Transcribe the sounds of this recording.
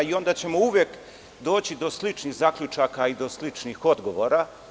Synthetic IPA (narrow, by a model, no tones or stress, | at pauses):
io̞nd̪at͡ɕe̞mouʋjeːk | d̪o̞ːt͡ɕid̪o̞slit͡ʃniɣzakʎut͡ʃakaid̪o̞slit͡ʂnixo̞d̪ɡo̞ʋoɾa